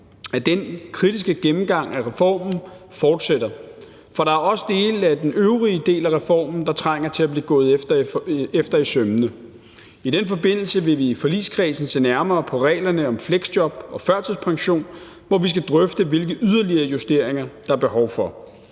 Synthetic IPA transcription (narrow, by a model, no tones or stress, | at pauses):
æd̥enkʰʁid̥isɡ̥əɡ̥emm̩ɡ̥ɑ̈ŋ̰æʁɛfɒ̰ːmn̩fɒːd̥sed̥ɐ | fɒ̽ɾ̥ɑ̈æɐɒ̽sə̥d̥e̝ːlæd̥enøʊʁiəd̥e̝̰ːlæʁɛfɒ̰ːmn̩d̥ɑ̈t͡sʰʁaŋ̰ɐt͡sʰe̝læb̥liːɡ̥ɔ̽ːð̞̩ˠefd̥ɐefd̥ɐisømnə | id̥enfɒ̽be̝n̰l̩səʋe̝ʋiːfɒ̽lḭːskʰʁɛːsn̩se̝̰ːnæɐmɐːpʰɒ̽ʁɛ̰ːlɐnəɒ̽mfleɡ̥sd̥jɒ̽b̥ɒ̽fɶɐt͡sʰəspʰɑ̈ŋɕo̝̰ːn | ʋɒʋis̬ɡ̥æd̥ʁœfd̥əʋe̝lɡ̥əyð̞ˠɐliɐjusd̥e̝ɐ̰eŋɐd̥ɑ̈æɐb̥e̝ɦɒʊfɒ̽